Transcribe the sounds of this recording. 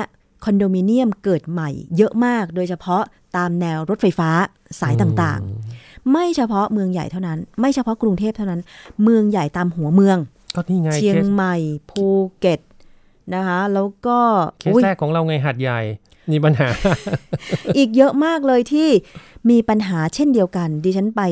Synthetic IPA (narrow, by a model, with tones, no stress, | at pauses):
kʰɔ˧ndoː˧miː˧ni˥˩əmkɤː˨˩t̪̚ma˨˩jːɤ˦˥ʔmaː˥˩k̚doː˧jt͡ɕʰpʰɔ˦˥ | t̪aː˧mnɛː˧wɾo˦˥t̪̚fa˧jfaː˦˥ | saː˨˩˦jt̪aː˨˩ŋt̪a̰ː˨˩ŋma˥˩jt͡ɕʰa˧pʰɔ˦˥mɯ˧əŋja˨˩jt̪ʰa˥˩wna˦˥nma˥˩jt͡ɕʰa˧pʰɔ˦˥kɾu˧ŋt̪ʰeː˥˩p̚t̪ʰa˥˩wna˦˥nmɯ˧əŋja˨˩jt̪aː˧mɦu˩˦ɐmɯ˧əŋ | kɔː˥˩niː˥˩ŋa˧t͡ɕjʰi˧ə˧ŋma˨˩jpʰuː˧ke˨˩t̪̚ | na˦˥kʰa˦˥lɛː˦˥wkɔː˥˩kʰːʔu˦˥˩jɛː˥˩kʰːɔː˩˦ŋɾa˧wŋa˧jɦa˨˩t̪̚ja˨˩j | miː˧pa˧nɦaː˩˦ | ʔiː˨˩k̚jɤ˦˥ʔmaː˥˩k̚lɤː˧jt̪ʰiː˥˩miː˧pa˧nɦaː˩˦t͡ɕʰe˥˩ndi˧əwka˧ndiː˧t͡ɕʰa˦˥npa˧j